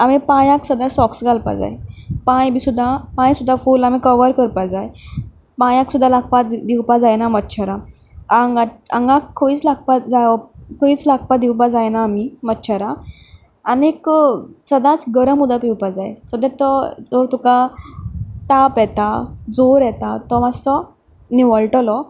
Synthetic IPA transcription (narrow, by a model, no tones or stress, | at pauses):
amipãjãksəd̪asɔksɡalpa̰d͡za̰jpãjbʱisud̪ʱːapãj̃sud̪ʱːafuːlamikəʋəɾkəɾpad͡zaj | pãjãksud̪ʱːalaɡ̚pad̪iwpad͡zajnamətːɕʰaɾa | aŋɡaaŋɡãkʰːəiːt͡slaɡ̚pad͡zakəiːt͡slak̚pad̪iwp̬ad͡zajnaːmimətːɕʰəɾaː | neksəd̪ãt͡sɡəɾəmud̪apiwpad͡zajsɔd̪ɛt̪ɔd͡zoɾt̪uka | t̪apjɛt̪ad͡zoɾjɛt̪at̪ɔʋasɔ | niʋəɭʈəlɔ